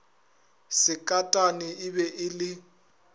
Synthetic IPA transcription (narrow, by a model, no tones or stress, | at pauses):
sɪkʼatʼanɪɪbɛʔɪlɪ